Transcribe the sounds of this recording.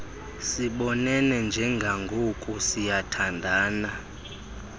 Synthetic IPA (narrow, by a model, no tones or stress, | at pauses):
siɓɔnɛnɛnd͡ʒʱɛŋɡʱaŋɡʱokʼusijatʰandʱaːna